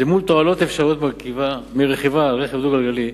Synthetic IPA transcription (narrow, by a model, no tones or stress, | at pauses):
zemult̪oalo̞t̪efʃaʁijo̞t̪maʁkivamiʁeχivaːlʁeχevd̪uɡalɡali